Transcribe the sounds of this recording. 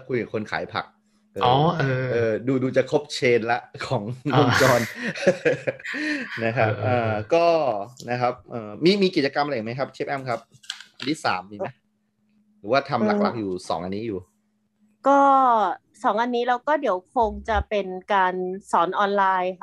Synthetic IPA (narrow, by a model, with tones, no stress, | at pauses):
kʰu˧jka˨˩kʰo˧nkʰa̰ː˩˦jpʰa̰˨˩k̚ | ʔɤː˧ɔː˧˨˧ʔɤː˧ʔɤː˧duː˧duː˧t͡ɕa˨˩kʰo˦˥p̚t͡ɕʰeː˧nlɛ˦˥ʔkʰɔː˩˦ŋo˧ŋt͡ɕɔː˧n | na˦˥kʰa˦˥p̚ʔɤː˧˩kɔː˥˩na˦˥kʰa˦˥p̚ʔɤː˧miː˧miː˧k̬i˨˩t̪̚t͡ɕa˧ka˧ma˧a˧jma˦˥jkʰa˦˥p̚t͡ɕʰe˦˥p̚ʔɛ˥˩mkʰa˦˥p̚ | ʔa˧nt̪ʰiː˥˩sa̰ː˩˦mːiː˧mma˦˥ | ɾɯː˩˦waː˥˩t̪ʰa˧mla˦k̚la˨˩˥k̚juː˨˩sɔ̰ː˩˦ŋʔa˧nːiː˦˥juː˨˩ | kɔː˥˩ | sɔː˩˦ŋʔa˧nːiː˦˥ɾaː˦˥wkɔː˥˩di˩˦əwkʰo˧ŋt͡ɕa˨˩pe˧nkaː˧nsɔː˩˦nʔɔː˧nlaː˧j